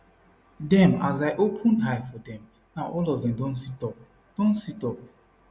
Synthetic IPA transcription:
dɛ̃ma̰zaɪʔopʰə̃nɦajfɔdɛ̃m | naʊʔɔlɔvdɛ̃mdɔ̃ntsitɔp̚ | d̥ɔ̃nsitɔp̚

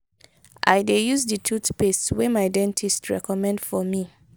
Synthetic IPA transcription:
ʔa̰jdejuzdətʰutpestwɛmadɛ̃ntʰistʰɹɛ̰kɔmɛ̃ndfɔmi

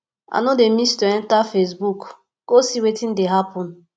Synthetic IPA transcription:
a̰nõdemistoɛ̃ntafes̬buk | ɡ̥osiwetĩndeɦapɔ̃n

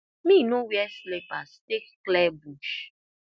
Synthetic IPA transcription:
mĩnõwiɛslepastekklɛbuʃ

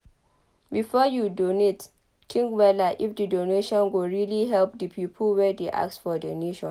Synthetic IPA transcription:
bifɔjudonet | kʰĩŋɡwɛlaʔifdədoneʃɔ̃nɡoɹiliɦɛlp̚dəpʰipʰəlwɛdeʔa̰ktsfɔdəneʃɔ̃n

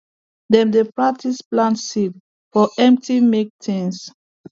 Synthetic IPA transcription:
dɛ̃mdepɹak̚tʰisplãntsid | fɔʔɛ̃mp̚timek̚tʰĩns

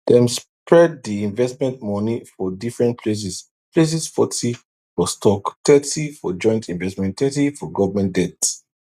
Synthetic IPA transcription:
dɛ̃mspʰɹɛd̚ðiĩɱvɛstmɛ̃ntmɔnifɔdifɹɛ̃ntpʰles̬is | pʰles̬isfɔtʰi | fɔstʰɔktɛtifɔd͡ʒɔ̃ɪ̃ntʰĩnvɛstmɛ̃ntɛtifɔɡɔvəmɛ̃ndɛt

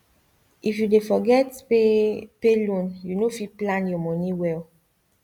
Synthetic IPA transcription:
ʔifjudefɔɡɛtepelũnjunofiplãnjɔmɔ̃niwɛl

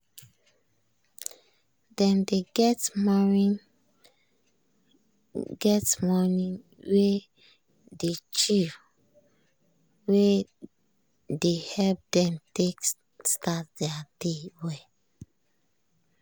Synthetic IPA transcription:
dɛ̃ndeɡɛtmɔnĩn | ɡɛtmɔnĩn | we | det͡ʃif | we | dehɛlp̚dɛ̃mtek | stat̚d̥ɛad̥ewe

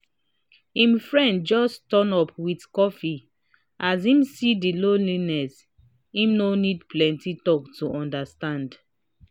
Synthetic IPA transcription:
ĩmfɹɛ̃nd̚d͡ʒɔstɔnɔpwitkɔfi | ʔazĩmsidilolinɛs | ĩmnonidplɛ̃ntitɔktuʔɔ̃ndastãnd

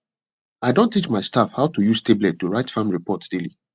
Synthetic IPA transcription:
aɪdõntːit͡ʃmaɪstafhaʊtujusteblɛtːuɹaɪtfãmɹipɔtd̥eli

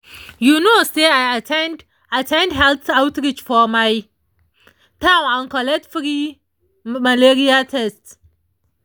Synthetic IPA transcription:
junoseajatʰɛnd | atʰɛ̃ndɦɛlθawtɾit͡ʃfɔmaj | tʰãw̃nãnkɔlɛtfɾi | maleɹiatʰɛst

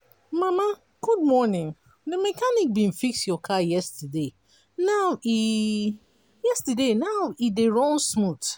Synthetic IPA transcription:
mama | ɡ̥ud̚mɔnĩn | ðəmɛkanik̚bĩnfiksjɔkʰajɛstəde | nawi | jɛstədenaʊideɹɔ̃nsmut

